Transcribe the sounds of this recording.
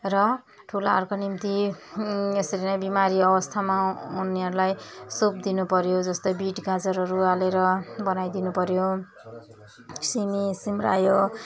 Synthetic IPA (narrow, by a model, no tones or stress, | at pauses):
rʌ | ʈʰulaa̰rkonimt̪i | esʌɾinʌjbimaɾiʌbʌst̪ʰamauneʌɾulajsop̚d̪inupʌɾjod͡zʌst̪ʌjbiʈɡad͡zʌɾʌɾualeɾʌbʌnajd̪inupʌɾjo | simisimra̰jo